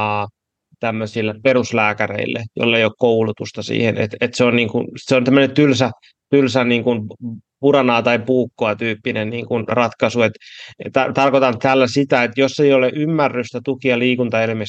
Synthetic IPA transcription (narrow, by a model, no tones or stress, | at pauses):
ɑ | t̪æmːøsilːeperuslæːkærḛilːḛjo̰lːeijokkoulut̪ust̪ɑsḭːhenḛt̪et̪seonniːŋkunseont̪æmːønent̪ylsæ | t̪ylsænniːŋkunpurɑnɑːt̪ɑipuːkːoɑt̪yːpːinennḭːŋkunrɑt̪kɑsuet̪t̪æt̪ɑrkot̪ɑnt̪ælːæsit̪æet̪josːeioleʔymːærːyst̪æt̪ukiɑliːkunt̪ɑelimes